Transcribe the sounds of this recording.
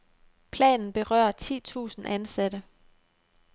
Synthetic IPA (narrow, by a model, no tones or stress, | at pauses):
pʰlɛ̰ːnn̩b̥e̝ʁɶ̰ɐ̰t͡sʰḭːt͡sʰṵːsn̩ʔænsæɾ̥ə